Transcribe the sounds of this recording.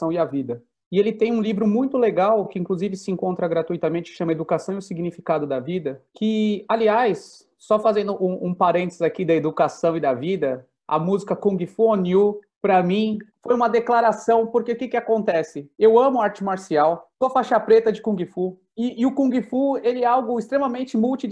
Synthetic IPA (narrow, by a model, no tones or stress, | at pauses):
ɐ̃w̃iɐvid̪ɐ | ɪelɪt̪ẽj̃ũlivɾʊmũj̃t̪ʊleɡawkɪĩŋkluzivɪsɪẽŋkõnt̪ɾɐɡɾat̪uijt̪amẽnt͡ʃɪ̥ɪ̥ʃɐ̃mɐed̪ukasɐ̃w̃iʊsiɡnifikad̪ʊd̪ɐvid̪ɐkʰɪaliajsː | ɔfazẽnd̪ʊʔũũpaɾẽnt̪ezakid̪ɐed̪ukasɐ̃w̃id̪ɐvid̪ɐ | ɐ̰muzikɐkũɡifuonju | pɾɐmĩfojũmɐd̪eklaɾasɐ̃w̃poɾkeʊkɪkɪakõnt̪ɛsɪewɐ̃mʊaɾt͡ʃɪmaɾsiawsoɐfaʃɐpɾet̪ɐd͡ʒɪkũɡifu | ɪːʊkũɡifuelɪɛawɡʊɪst̪ɾemɐmẽnt͡ʃɪmuwt͡ʃi